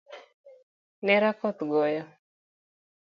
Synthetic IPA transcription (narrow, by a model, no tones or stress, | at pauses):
nɛɾakɔt̪ɡɔjɔ